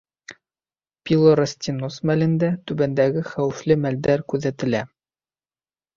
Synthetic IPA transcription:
pʲilˠoɾasʲt̪ʲinosmælɘ̆nd̪æt̪ʉbænd̪æɡɘχæwɘ̆flɘmæld̪æɾkʉðæt̪ɘ̆læ

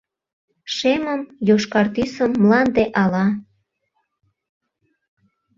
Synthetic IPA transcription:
ʃeməmjoʃkɑrt̪ysəmːlɑnd̪eʔɑlɑ

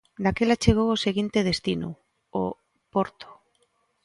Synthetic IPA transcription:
d̪akelat͡ʃeɣ̞owoseɣint̪eðest̪inṵ | o̰ | poɾt̪o̥

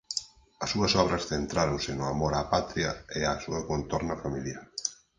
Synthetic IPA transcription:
ɐsuɐsɔβ̞ɾɐsθent̪ɾaɾonsɪnʊamoɾapat̪ɾiɐeasuɐkont̪oɾnɐfamiljaɾ

